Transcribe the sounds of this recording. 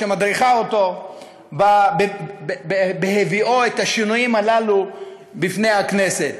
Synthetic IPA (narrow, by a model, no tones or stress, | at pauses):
emad̪ʁiχaoto̞ | babe | beɦeviʔoet̪aʃinujimalalu | bifne̞jhakne̞se̞t̪